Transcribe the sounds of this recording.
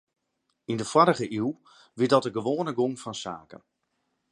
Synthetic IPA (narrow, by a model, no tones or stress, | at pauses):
ɪndəfwɔɾəχəʔiwˠ | ʋɪtdɑtəɡəʋoːnəɡoŋfɑnsaːkə̰n